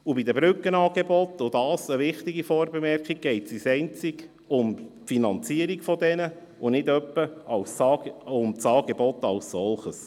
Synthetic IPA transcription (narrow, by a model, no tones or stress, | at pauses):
ʊbid̪əbɾʏkːənɑːɡ̥ebɔtʊdɑːsəʋɪχt̪iɡifɔːɾbemɛrkχiɡ̚ɡ̥ɛɪtsisɛɪnt͡sɪk | ʊm | finɑnt͡siəɾikfɔdɛnə | ʊnɪdœpːəɑlsɑʊmt͡sɑːɡ̥ebɔtɑlssɔlχəs